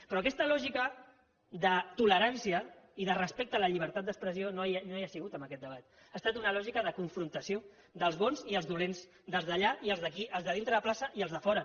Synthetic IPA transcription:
pɾɔɐkɛst̪əlɔʒikə | ðət̪uləɾansiəiðərəspek̚t̪ələʎiβ̞əɾt̪at̪̚d̪əkspɾəsiononoajəsiɣut̪əmbəkɛt̪̚d̪əβat̪ | ast̪at̪unəlɔʒikəðəkuɱfɾunt̪əsio | d̪əlˠzβonziəlˠzðulenz | d̪əlˠzðəʎaiəlzðəkiʔəlˠzðəð̞int̪ɾəðəplasəʔiəlˠzðəfɔɾə

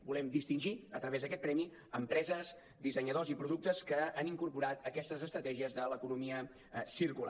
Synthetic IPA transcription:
bulɛmd̪ist̪inʲʒiət̪ɾəβezðəkɛt̪̚pɾɛmi | əmpɾɛzəs | d̪izəɲəðozipɾuðuk̚t̪əskəaniŋkuɾpuɾat̪əkɛst̪əzəst̪ɾət̪ɛʒiəzðələkunumiə | siɾkula̰

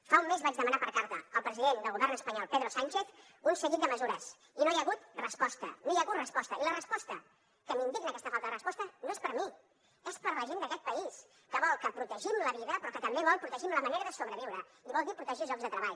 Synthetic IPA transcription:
faumːezβad͡ʒðəmənapəɾkaɾt̪əəlˠpɾəziðend̪əlˠɣuβɛrnəspəɲɔlˠpeðɾosant͡ʃeθ | unsəɣit̪d̪əməzuɾəs | inojəɣut̪rəspɔst̪ə̰nojəɣut̪rəspɔst̪əilərəspɔst̪ə | kəmind̪iknəkɛst̪əfalˠt̪əðərəspɔst̪ənoespəɾmi | espəɾləʒend̪əkɛt̪̚pəis | kəβɔlˠkəpɾut̪əʒimləβ̞iðəpɾɔkət̪əmbeβɔlˠpɾut̪əʒimləməneɾəðəsoβɾəβ̞iwɾə | iβɔlˠd̪ipɾut̪əʒiʒɔkzðət̪ɾəβaʎ

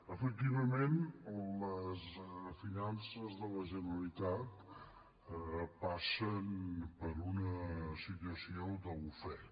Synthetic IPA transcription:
əfək̚t̪iβəmenləsfinansəzðələʒənəəlit̪at̪ | pasənpəɾunəsit̪uəsiod̪əβufɛ

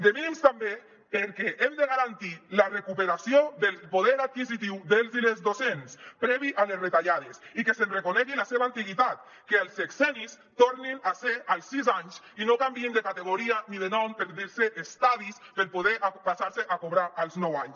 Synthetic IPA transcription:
d̪eminimst̪ambe | peɾkɛʔemd̪eɣaɾant̪ilarekupeɾasioðelpoðɛɾat̪̚kizit̪̬iwðelˠzilezðosenspɾɛβiʔalesret̪aʎaðesikesenrekonɛɣilaseβaːnt̪iɣit̪at̪ | kealˠseksɛnis | t̪oɾninaseʔalˠsːizaɲs | inokambiend̪ekat̪eɣoɾianiðenɔmpeɾðiɾseʔːst̪aðispeɾpoð̞eʔapasaɾseʔakoβɾaʔalˠznɔwaɲs

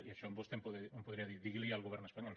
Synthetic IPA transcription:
iaʃoambost̪empoðeẽmpoðɾiaðiɾðiɣlialɣoβeɾnoespaɲol

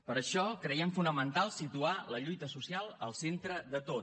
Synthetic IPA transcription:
pəɾəʃɔkɾəiɛmfunəmənt̪alˠsit̪ualəʎujt̪əsusialˠəlˠsent̪ɾəðət̪o

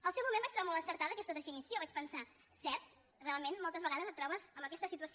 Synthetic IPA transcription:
əlˠsɛwmumẽmbat͡ʃt̪ɾɔβamolˠəsəɾt̪aðəkɛst̪əðəfinisioβat͡ʃpənsa | sɛɾt̪̚ | realˠmenmɔlˠt̪əzβəɣaðəzət̪ːɾɔβəzəmbəkɛst̪əsit̪uəsi

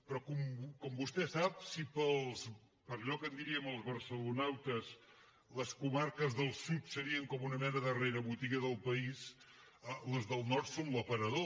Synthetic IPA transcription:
pɾɔkumkɔmbust̪ɛsap̚sipəlˠs | pəɾʎɔkənd̪iɾiəməlˠzβəɾsəlunawt̪əs | ləskumaɾkəzðəlˠsut̪səɾiəŋkɔmunəmɛnəðəreɾəβut̪iɣəðəlˠpəis | ələzðəlˠnɔɾt̪sonləpəɾəðo

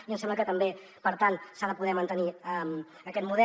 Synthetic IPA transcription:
iənsɛmləkət̪əmbe | pəɾt̪ansaləpuðɛmənt̪əniəm | əkɛt̪muðɛ

